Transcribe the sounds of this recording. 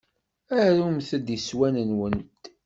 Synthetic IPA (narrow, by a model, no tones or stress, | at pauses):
æɾumθəd̪iswænənwənt̪